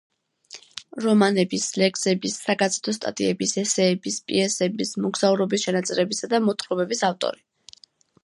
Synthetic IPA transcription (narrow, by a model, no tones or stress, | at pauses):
ɾɔmanɛbislɛkʼsɛbisːaɡazɛ̥t̪ʰɔst̪ʼa̰t̪ʼiɛbisɛsɛːbispʼiɛsɛbismɔɡz̥auɾɔbisʃɛnat̪sʼɛɾɛbisad̪amɔt̪ʰχɾɔbɛbisaft̪ʼɔ̰ɾi